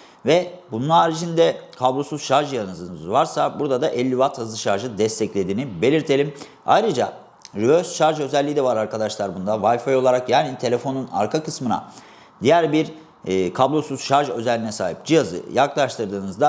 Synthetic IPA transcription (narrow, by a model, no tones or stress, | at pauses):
vɛbununaːɾid͡ʒind̪ɛkʰablˠosuz̥ʃaɾʒjanɯzɯnɯzvaɾsabuɾd̪ad̪aʔɛlʲːivat̪hazɯʃaɾʒɯd̪ɛst̪ʰɛclʲe̞d̪iːnibe̞lʲiɾt̪ʰe̞lʲim | a̰jɾɯd͡ʒa | ɾyøsʃaɾʒø̞zɛlʲːijid̪ɛvaɾaɾkad̪aʃlˠaɾbund̪avajfajo̞lˠaɾakjaːnit̪ʰe̞lʲe̞fo̞nuna̰ɾkʰakɯsmɯna̰ | d̪ijæɾbiɾː | kʰablˠo̞suz̥ʃaɾʒø̞zɛlʲːinɛsaːɦḭp̚d͡ʒijazɯ̰jaklˠaʃt̪ɯɾd̪ɯːnɯzd̪a